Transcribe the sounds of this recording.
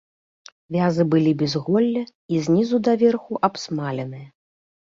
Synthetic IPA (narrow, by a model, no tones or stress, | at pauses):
vʲazɨbɨlʲibʲɛzɣɔlʲːɐizʲnʲizud̪ɐvʲɛrxuʔabsmalʲɛnɨjɐ